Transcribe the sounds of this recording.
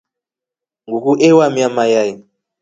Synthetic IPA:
ŋɡukuʔewamiamajaji

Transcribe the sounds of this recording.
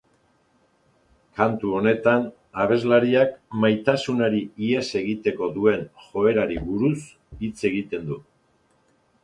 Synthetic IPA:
kant̪uo̞ne̞t̪an | aβ̞e̞zlaɾiakmajt̪asunaɾiiese̞ɣit̪e̞ko̞ðue̞nʝo̞e̞ɾaɾiβuɾus | it͡se̞ɣit̪e̞nd̪u

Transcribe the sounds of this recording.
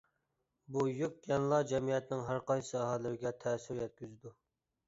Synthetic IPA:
bujyk̚ʲjɑnlˠɑd͡ʒɛmijɛt̪nɪŋɦæɾqɑjsɑɦælɪɾɪɡʲɛt̪ʰɛːsyɾjɛt̪̚kʲyzd̪u

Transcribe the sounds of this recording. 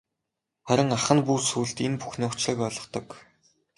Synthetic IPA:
χæɾʲɪ̆ŋaχə̆npuːsuːɮt̪enpu̥xniːʊt͡ɕɮə̆kɔɮɞ̆χt̪ɞ̆k

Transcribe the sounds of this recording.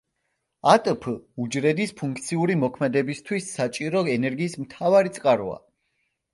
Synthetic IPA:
at̪ʼpʰud͡ʒɾɛd̪ispʰũŋkʰt̪sʰiuɾimɔkʰmɛd̪ɛbist̪ʰwisːat͡ʃʼiɾɔɛnɛɾɡiːsmt̪ʰavaɾit̪sʼqʼaɾɔa̰

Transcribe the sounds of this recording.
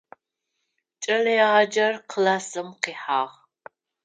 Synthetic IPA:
t͡ʃʼɐlijaːd͡ʒɐrqʰlasɨmqiːħaːʁ

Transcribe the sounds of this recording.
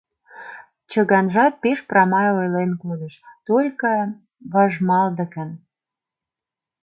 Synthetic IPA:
t͡ɕə̆ɣɑnʒɑt̪̚peʃprɑmɑjojlenkod̪əʃt̪olʲkə | βɑʒmɑld̪ə̆kən

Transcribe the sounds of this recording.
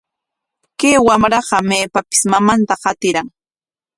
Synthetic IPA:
keːwamɾɑɢɑmeːpapɪ̥smamant̪aqɑt̪ɪɾaŋ

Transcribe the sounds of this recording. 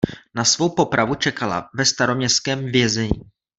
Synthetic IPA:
nasvo̞wpo̞pɾʔavut͡ʃɛkala̰vɛst̪aɾo̞mɲɛst̪kɛːmvjɛzɛɲiː

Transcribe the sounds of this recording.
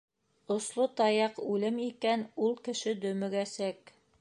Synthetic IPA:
ŏslˠot̪ɑjɑqʉlɘmikænulˠkɘ̆ʃɘd̪ɵ̆mɘ̆ɡæsæk

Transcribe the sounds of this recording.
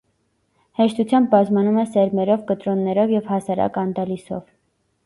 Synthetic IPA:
hɛʃt̪ut͡sʰjɑmb̚bɑzmɑnumɛsɛɾmɛɾɔvkət̪ɾɔnːɛɾɔvjɛvhɑsɑɾɑ̰kɑnd̪ɑlisɔ̰v

